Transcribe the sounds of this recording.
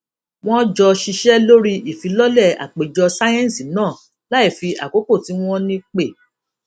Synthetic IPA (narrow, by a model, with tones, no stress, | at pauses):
w̃ɔ̃˦d͡ʒɔ˧ʃi˧ʃɛ˦lo˦ɾi˦ʔi˨fi˨˦lɔ˦lɛ˦˨a̰˨k͡pe˨d͡ʒɔ˧sa˦jɛ̃˦˨si˨nãː˦˨ | la˦i˦˨fi˧ʔa̰˨ko˨˦ko˦˨ti˨˦w̃ɔ̃˦nĩ˦k͡pe˦˨